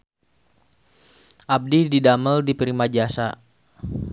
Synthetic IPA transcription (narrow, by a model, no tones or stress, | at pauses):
ʔab̚dididaməldipɾimad͡ʒasa